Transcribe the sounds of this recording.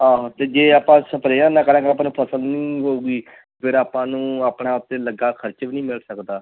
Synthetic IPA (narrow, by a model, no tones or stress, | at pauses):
ãːt̪eːd͡ʒeːaːpãːsəpɾeːãːnãːkəɾãːkəaːp̬aːnũːpʰəsəlnĩːɦoːuːɡiː | pʰɪɾaːpãːnũːaːpɳaːʊt̪ːeːləɡaːkʰəɾt͡ʃbiːnĩːmɪlsəkd̪aː